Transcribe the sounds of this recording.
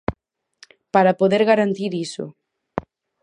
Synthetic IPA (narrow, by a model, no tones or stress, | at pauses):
paɾapoðeɾɣaɾant̪iɾiso̰ʊ̰